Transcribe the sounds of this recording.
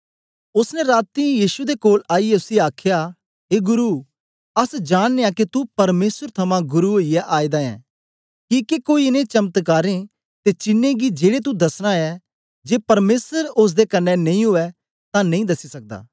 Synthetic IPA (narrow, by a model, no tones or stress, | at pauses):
ʊsnɛ̃ɾaːt̪ijiːʃud̪ekoːlaːiɛʊsiaːkʰja | ɦeːɡʊɾu | ɐsd͡ʒaːɽ̃neakit̪upɐɾmeːsəɾt̪ʰɐmãɡʊɾuoijɛʔaːid̪aɛ̰̃ː | kiːkekoːinẽt͡ʃɐmət̪kaːɾẽ | t̪et͡ʃɪnːẽɡid͡ʒeːɽet̪̬ud̪ɐsɽ̃ãɛ | d͡ʒeːpɐɾmeːsəɾʊs̬d̪ekɐnːɛnɐ̃ĩɦʊɛ | t̪ãnɐ̃ĩd̪ɐsisɐk̚d̪a̰ː